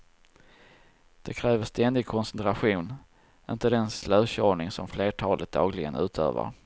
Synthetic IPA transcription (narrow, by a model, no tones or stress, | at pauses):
d̪̥ɛkʰɾɛːvəʂt̪ɛnd̪ɪɡ̚kʰɔnsɛnt̪ɾaɧuːn | ɪnt̪əd̪ɛnslœːɕɔːɳɪŋsɔmfleːʈʰɑːlʔət̪̚d̪ɑːɡlɪɡənʉ̟ːt̪ʰø̰ːvə̰ɾ